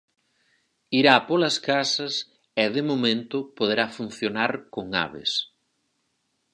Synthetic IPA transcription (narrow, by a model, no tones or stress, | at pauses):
iɾapolɐskasɐs | ɛðɪmomẽnt̪ʊpoð̞eɾafun̟θjonaɾkoŋa̰βɪ̰s